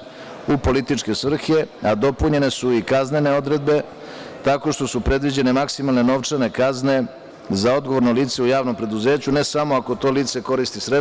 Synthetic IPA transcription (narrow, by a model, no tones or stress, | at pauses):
upo̞lit̪it͡ʃke̞sʋr̩xe̞ad̪o̞puɲe̞ne̞suikaznene̞o̞d̪ɾe̞d̪̚be̞ | t̪ako̞ʃt̪o̞supɾe̞d̪ʋid͡ʑe̞ne̞maksimalˠne̞no̞ʋt͡ʂane̞kazne̞ | zao̞d̪ɡo̞ʋo̞ɾno̞liːt̪seujaːʋno̞mpɾe̞d̪uze̞ːt͡ɕune̞samo̞ako̞t̪o̞ːliːt̪se̞ko̞ɾist̪isɾe